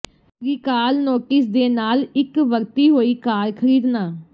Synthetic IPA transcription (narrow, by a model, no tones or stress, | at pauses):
ɾiːkaːlnoːʈɪsd̪eːnaːlɪkʋəɾt̪iːɦoːiːkaːɾkʰəɾiːd̪naː